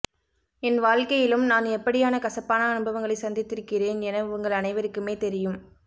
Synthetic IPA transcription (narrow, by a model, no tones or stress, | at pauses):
ɪnʋaːɻkɐjɪlɯmnaːnɛpːɐɽɪjaːnɐkɐsɐpːaːnɐːnɯbɐʋɐŋɡɐɭɐɪsɐnd̪ɪt̪ːɪɾɯkːɪreːnɛnɐʊŋɡɐɭɐnɐɪʋɐɾɯkːɯmeːt̪ɛɾɪjɯm